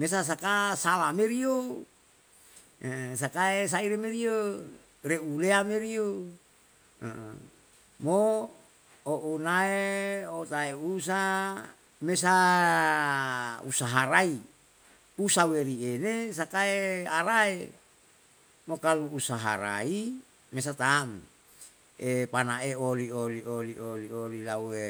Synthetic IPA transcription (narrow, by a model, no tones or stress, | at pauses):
mes̬as̬akasalameɾio | s̬akaes̬aiɾemeɾio | reuleameɾio | mo | oʔunaeot̪aeus̬a | mesa | ṵsaɦaɾai | usaweɾienesakaeaɾae | mokaluːsaɦa̰ɾa̰i | mes̬at̪aːm | epanaeoliolioliʔoliolilae